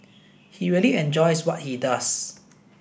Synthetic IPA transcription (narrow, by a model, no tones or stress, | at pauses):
hiɹiəliɛ̃nd͡ʒɔjswɔt̚hidas